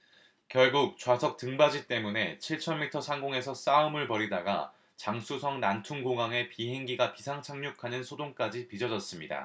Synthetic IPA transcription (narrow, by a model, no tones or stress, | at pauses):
kjʌɭɡuk̚t͡ɕwasʰʌk̚t͈ɯŋbad͡ʑit͈e̞mune̞t͡ɕʰiɭt͡ɕʰʌnmitʰʌsʰaŋɡoŋe̞sʰʌs͈aɯmɯɭpʌɾidaɡa̰ | t͡ɕaŋsʰusʰʌŋnantʰuŋɡoŋaŋe̞piɦe̞ŋɡiɡapisʰaŋt͡ɕʰaŋɲukʰanɯnsʰodoŋk͈ad͡ʑipid͡ʑʌd͡ʑʌs͈ɯmɲida̰